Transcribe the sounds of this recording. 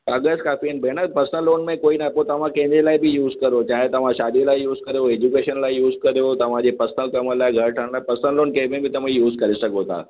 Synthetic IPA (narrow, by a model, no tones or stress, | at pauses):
əɡəskafinbʱeɽ̃ət̪̚pəsəlonmẽkoinapot̪ɐʋ̤ãkẽnelaibʱijuːzkəɾot͡ɕaɦet̪ɐʋ̤ãɕad̪ilaijuːzkəɾjoed͡ʑukeɕənlaijuːzkəɾjot̪ɐʋ̤ãd͡ʑʱepəsnəlkəməlaɡʱəɾʈʰəɳlapəsəlonkẽbẽbʱiːt̪ɐm̤ĩjuːzkəɾisəɡot̪a̰